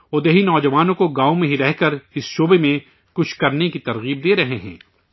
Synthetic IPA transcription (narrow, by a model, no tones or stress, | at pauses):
od̪eɦinɔːd͡ʒɐʋaːnõkoɡaːomẽɦiɾɛɦkɐɾɪsʃoːbemẽ | kʊt͡ʃʰkɐɾnekit̪ɐɾɣiːb̚d̪eːɾɐɦeɦɛ̰̃ː